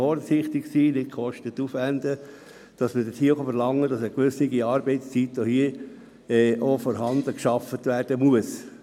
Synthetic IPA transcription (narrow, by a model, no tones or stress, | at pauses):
ɔɾsɪχt̪ɪksiːnɪtkʰχɔʃtət̪ːufʋændə | d̥ɑsmədəthiːəχɑfəɾlɑŋːədɑsəkʋʏsniɡiɑːɾbɛɪtst͡sitːohiə | ɛːʔofɔːɾɦɑndəkʃɑfətʋæɾd̥əmuəs